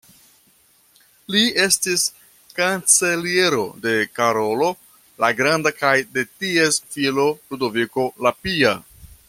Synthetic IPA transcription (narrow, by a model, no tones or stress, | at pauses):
lie̞stis | kant͡se̞lie̞ɾo̞de̞kaɾo̞lo̞ | laɡɾandakajde̞tie̞sfilo̞ludo̞viko̞lapia